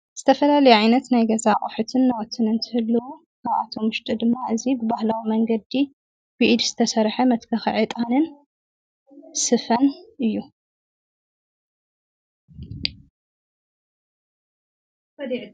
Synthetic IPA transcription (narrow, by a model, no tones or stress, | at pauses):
z̥ɨt̪ʰɐfɐlalɐjʕajnɐt̪najɡɐzaχʼħut̪ʰɨnːɐwɔt̪ʰɨnɨnt̪ʰɨhɨlːɐwu | kʰaβʔa̰t̪ʰo̞mɨʃt̪ʼɨd̪ɨmːaɨzibɨbahlawimɐŋɡɐd̪i | bɨʔɨd̪z̥ɨt̪ʰɐsɐɾħɐmɐt̪kʰɐxʕit̪ʼanɨn | sɨfɐnʔɨjːu